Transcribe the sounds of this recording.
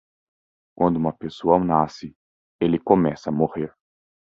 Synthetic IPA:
kwʔɐ̃nd̪ʊũmɐpesoɐɐ̃w̃nasɪ | elɪkõmɛsɐːmoheɾ

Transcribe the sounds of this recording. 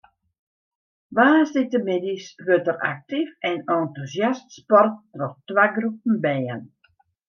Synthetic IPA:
ʋaːsdɪtəmɪdisʋøtəra̰k̚tifɛnɔntusjastspɔrtːrɔxtwaɡrup̚n̩bɛjən

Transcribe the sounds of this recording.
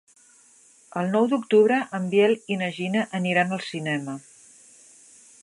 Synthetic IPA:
əlˠnɔwd̪ukt̪uβɾəʔəmbjɛlinəʒinəʔəniɾanəlˠsinɛmə

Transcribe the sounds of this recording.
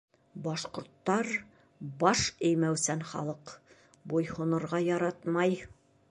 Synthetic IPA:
bɑʃqŏɾt̪ːɑɾ | bɑʃɘ̆jmæwsænχɑ̰lˠɤq | bujhŏnɤ̆ɾʁɑjɑɾɑt̪mɑj

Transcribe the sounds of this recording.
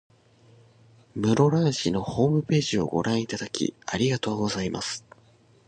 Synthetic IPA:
mɯ̟ɾo̞ɾãɰ̃ɕino̞ho̞ːmɯ̟pe̞ːʑio̞̰ɡo̞̰ɾʔãɰ̃it̪ad̪akʲḭaɾʲiɡat̪o̞ːɡo̞zaima̰sɨ̥

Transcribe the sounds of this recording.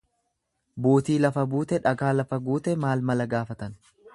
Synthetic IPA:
buːt̪iːlɐfɐbuːt̪ɛᶑɐɡaːlɐfɐɡuːt̪ɛmaːlmɐlɐɡaːfɐt̪ɐn

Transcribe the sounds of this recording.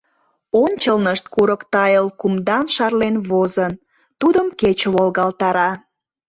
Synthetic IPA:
onʲt͡ɕəlnəʃt̪̚kuɾəkt̪ɑjəlkumd̪ɑnʃɑrlenβozən | t̪ud̪əmket͡ɕəβolɣɑlt̪ɑɾɑ

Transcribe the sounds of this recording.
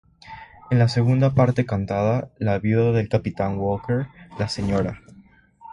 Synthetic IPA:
enlase̞ɣund̪apaɾt̪e̞kant̪aðalaβjuðaðelkapit̪aŋwolkeɾlaseɲoɾa

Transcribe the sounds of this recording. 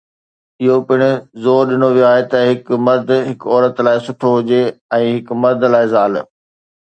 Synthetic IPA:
ɪɦopɪɽ̃ʊ̆zoːɾɗɪnoʋijoaːɦet̪ɐɦɪkmɐɾd̪ʱɦɪkɔːɾət̪laːɪsʊʈʰoɦʊd͡ʑeɛ̃ːɦɪkmɐɾd̪ʱlaːɪzaːl

